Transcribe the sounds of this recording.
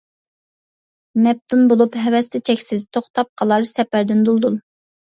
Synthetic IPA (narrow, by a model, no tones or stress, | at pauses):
mɛp̚t̪ʰunbolˠupɦɛvɛst̪ʰɛt͡ʃʰɛkʲsɪzt̪ʰoχt̪ʰɑp̚qʰɑlˠɑɾsɛpæɾd̪ɪnd̪ulˠd̪ul